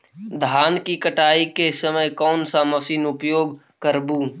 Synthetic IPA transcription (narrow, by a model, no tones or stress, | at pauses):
d̪ʱaːnkikəʈaːikesəməjkɔːnsaːməsiːnʊpjoːɡ | kəɾbuː